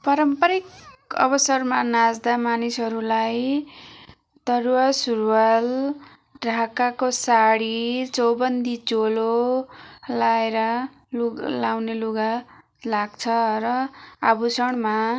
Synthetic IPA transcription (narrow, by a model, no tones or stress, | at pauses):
pʌɾʌmpʌɾikʌ̰bʌsʌrmanad͡zd̪amanisʌɾulaj | t̪ʌrwasurwal | ɖʱakakosaɽit͡sʌwbʌnd̪ʱit͡solo | laeɾʌ | lulawneluɡa | laɡ̚t͡sʰʌɾʌabusʌɽ̃ma